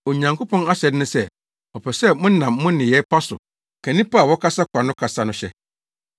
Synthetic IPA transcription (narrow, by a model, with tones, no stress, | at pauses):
o˨ɲã˨ŋkʰo˦pʰɔ̃˦na˦ɕɛ˨dɪ˦nʊ̃˦sɛ˦ | ɔ˨pʰɛ˨sɛ˦˨mʊ̃˦nã˨mːʊ̃˦nɪ̃˨jɛ˦pʰa˦sʊ̰˨ | kʰã˨nĩ˦pa˦˨wɔ˦kʰa˦sa˦kʷʰa˨nʊ̃˦kʰa˨sa˦nʊ̃˦ɕɛ̰˦